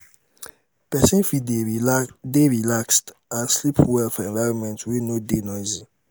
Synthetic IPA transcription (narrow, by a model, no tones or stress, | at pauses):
pʰɛsĩnfi | deɹilakst | ãnslipʰwɛlfɔɛ̃nvaɹɔ̃nmɛ̃ntʰwinodenɔ̃zi